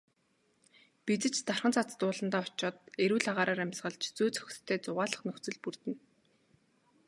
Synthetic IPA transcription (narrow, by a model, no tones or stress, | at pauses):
pit͡sɘ̆t͡ɕt̪ar̥χə̆nt͡sʰat͡st̪ʊːɮə̆nt̪aːʊt͡ɕɔːt̪̚eɾuːɮaʁaːɾaːɾæmʲsɢə̆ɮt͡ɕʰt͡suːt͡sœ̥xʲʰt̪ʰːeːt͡sʊʁaːɮə̆χnɵxt͡sɘ̆ɮpurt̪ɘ̆n